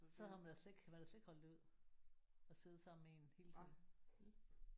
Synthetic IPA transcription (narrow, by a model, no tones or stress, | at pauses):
sɒ̽hæmænd̥æse̝ɡ̥mæd̥æse̝ɡ̥hɒ̽l̰d̥uð̰ˠ | ɒ̽se̝ð̩ˠsɑ̈m̰mee̝nhe̝ːlt͡sʰið̰n̩